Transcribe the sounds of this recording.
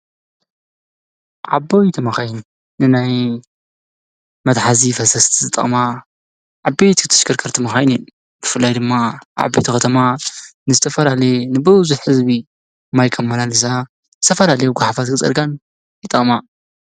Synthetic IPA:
ʕabojt̪ʰɐmɐxajn | nɨnaj | mɐd̪ħazifɐsɐst̪ʰizɨt̪ʼːɐ̰χʼma | ʕabet̪ɨt̪ʰɨ̥ʃkʰɨɾkʰɐɾt̪ʰɨmɐxajnen | bɨfɨlːajd̪ɨmːaʔʕa̰bːejt̪ʰixɐt̪ʰɐmanɨzɨt̪ʰɐfɐlalɐjnɨbɨwʊzuħħɨzbi | majkʰɐmːanalɨsa | zɨt̪ʰɐfɐlalɐjuɡʷaħafat̪kʰɨt͡sʼɐ̰ɾɡan | jɨt̪ʼɐχʼma

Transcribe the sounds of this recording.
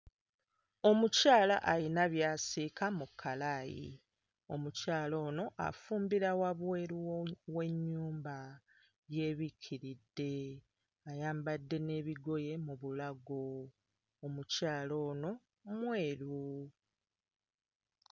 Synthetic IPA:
o̞mucaːla̰ʔalinaβjaːsikʰamukʰːalaːjḭ | o̞mucaːlo̞ːno̞ʔa̰fuːmbiɾawaβweːɾuwe̞ɲːuːmba | je̞βicʰiɾidːe̞ | ajaːmbadːe̞ne̞ːβiɡo̞je̞muβulaɡoː | mucaːlo̞ːno̞ | mweːɾu

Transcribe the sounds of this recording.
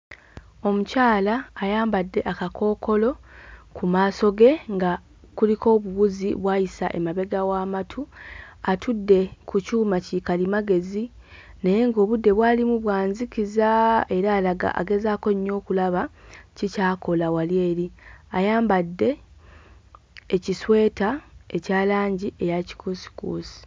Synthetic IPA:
o̞mucaːlaːjaːmbadːe̞ʔakakʰo̞ːko̞lo̞kumaːso̞ɡe̞ŋɡa | kulikʰo̞ːβuɣuziβwaːjisaʔemaβe̞ɡawaːmatʰuatʰudːe̞kucuːmacikalimaɡe̞zi | neje̞ŋɡo̞ːβudːe̞βwaːlimuβwaːnzikizae̞ɾaːlaɡa̰ʔa̰ɡe̞zaːko̞ɲːo̞ːkulaβacicaːko̞lawalje̞ːɾiajaːmbadːe̞ | ciswe̞ːtae̞caːlaːɲɟiʔejaci̥kusi̥kuːsi̥

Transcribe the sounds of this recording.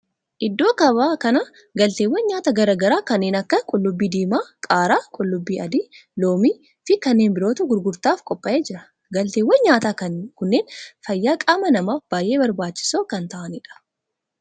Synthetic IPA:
ʔɪd̪ːo̞ːkɐβaːkɐnɐ | ɡɐlt̪eːwːɐnɲaːt̪ɐɡɐɾɐɡɐɾaːkɐnːeːnɐkːɐkʼʊlːʊbːiːd̪iːmaːkʼaːɾaːkʼʊlːʊbːiːɐd̪iːlo̞ːmiː | fɪkɐnːeːnbɪɾoːt̪ʊɡʊɾɡʊɾt̪aːfkʼɔpʼːɐʔe̞ːd͡ʒɪɾɐ̥ | ɡɐlt̪eːwːɐnɲaːt̪akɐkʊnːeːnfɐjːaːkʼaːmɐnɐmaːfb̥aːjʔe̞ːbɐɾbaːt͡ʃːɪ̥soːkɐnt̪ɐʔɐnɪᶑɐ̥

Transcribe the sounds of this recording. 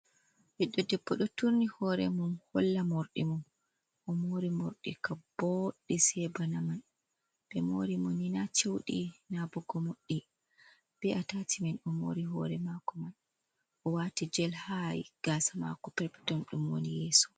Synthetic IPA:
wiɗːɔdɛbːɔɗɔtuɾnihɔɾɛmumhɔlːamoɾɗḭmun | ʔɔmoɾimoɾɗikab̥ɔɗːisɛbanaman | bɛmoɾimɔninat͡ʃewɗinabɔɡɔmoɗːi | b̥ɛʔatatʰimɛnɔmo̰ɾiɦɔ̰ɾɛmakɔman | ʔɔwatid͡ʒɛlhajɡ̥asama̰kɔpɛɾpɛ̥tɔnɗumwo̰nijɛːsɔ̥

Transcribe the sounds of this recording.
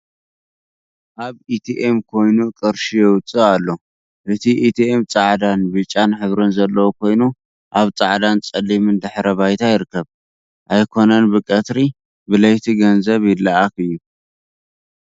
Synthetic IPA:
ʔaβit̪ʰiʔemkʰo̞jnukʼɨɾʃijɛwʊt͡sʼɨalːo̞ | ʔɨt̪ʰiʔit̪ʰiʔemt͡sʼaʕd̪anbɨt͡ʃʼːanħɨβɾɨnzɐlːɐwokʰo̞jnu | ʔaβt͡sʼaʕd̪ant͡sʼɐlːimɨnd̪ɨħɾɐβajt̪ʰajɪɾɨkːɐβ | ʔajkʰo̞nɐnbɨkʼɐt̪ɾi | bɨlɐjt̪ʰiɡɐnzɐβjɪlːaakɨjːu

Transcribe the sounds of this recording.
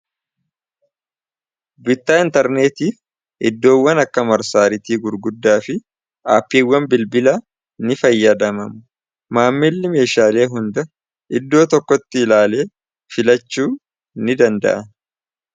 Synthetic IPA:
bɪt̪ːaːɪnt̪ɐɾne̞ːt̪iːf | ɪd̪ːo̞ːwːɐnɐkːɐmɐɾsaːɾɪt̪iːɡʊɾɡʊd̪ːaːfɪ | aːpːiːwːɐmbɪlbɪlɐ | nɪfɐjːɐd̪ɐmɐmʊ | maːmːɪlːɪme̞ːʃaːle̞ːɦʊnd̪ɐ | ʔɪd̪ːo̞ːt̪ɔkːɔt̪ːɪɪlaːle̞ː | fɪlɐt͡ʃːuː | nɪd̪ɐnd̪ɐ̰ʔɐn

